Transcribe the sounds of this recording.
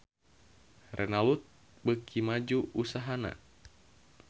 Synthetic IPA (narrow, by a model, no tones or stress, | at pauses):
rʔɛnalut̪̚ | bəkʰimad͡ʒuusaɦana̰